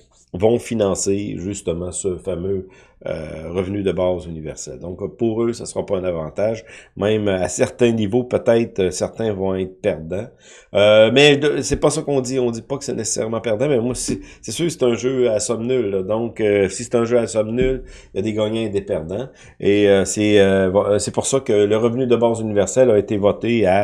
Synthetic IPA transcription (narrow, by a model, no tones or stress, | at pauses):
vɔ̃finɑ̃ːseʒyst̪əmɑ̃səfamø | ø̰ʁəvnyd̪əbɑːzynivɛ̰ʁsɛ̰ld̪ɔ̃kpuʁøsasəʁɑpɑɛ̃navɑ̃ːt̪aʒmɛ̃masɛʁt̪ɛ̃nivopøt̪ɛɪt̪χəsɛʁt̪ɛ̃vɔ̃ɛɪt̪χəpɛʁd̪ã | ømɛsɛpʌsakɔ̃d̪iɔ̃d̪ipakə̥sɛnese̥sɛ̰ʁmɑ̃pɛʁd̪ãmɛmwasisɛsøkse̥t̪ɛ̃ʒøasɔmnylːɔd̪ɔ̃køsi̥se̥t̪ɛ̃ʒøasɔmnyl | jad̪eɡaːɲɛ̃d̪epɛʁd̪ã | eøsɛøvɔsɛpuʁsakələʁəvnyd̪əbɑːzynivɛʁsɛlaet̪evɔt̪ea